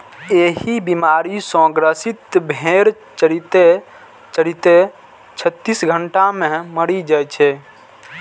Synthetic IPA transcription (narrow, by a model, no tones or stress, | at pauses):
eɦibimaɾisə̃ɡɾəsit̪bʱeɾ | t͡ʃɾit̪e | t͡ʃəɾit̪e | t͡ʃʰət̪ːisɡʱəɳʈamẽməɽid͡ʒajt͡ʃʰɛ